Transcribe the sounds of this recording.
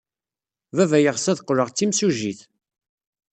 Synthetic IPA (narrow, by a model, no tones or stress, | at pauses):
vævæjəʁsæðqːɾəʁt͡sːimsuʒiθ